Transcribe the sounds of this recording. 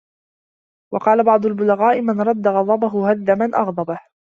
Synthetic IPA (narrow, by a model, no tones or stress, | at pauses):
wɑqɑːlabɑʕd̪ˤʊlbʊlaɣaːʔɪmanɾˤɑd̪ːaɣɑd̪ˤɑbaɦʊhaðːamanʔɑɣd̪ˤɑbah